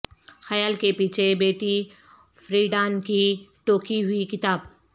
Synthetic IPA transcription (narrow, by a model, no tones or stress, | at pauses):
xɐjaːlkepiːt͡ʃʰebeːʈi | fɾiːɖãːnkiʈoːkiɦʊikɪt̪aːb